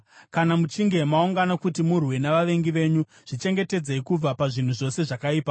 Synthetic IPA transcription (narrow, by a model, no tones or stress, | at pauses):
kanamut͡ʃiŋɡe̞mauŋɡanakutimurwe̞naʋaʋe̞ŋɡiʋe̞ːɲu | ʐ̥it͡ʃe̞ŋɡe̞te̞d͡ze̞ikub͡vapaʐin̤uʐo̞se̞ʐakaiːpa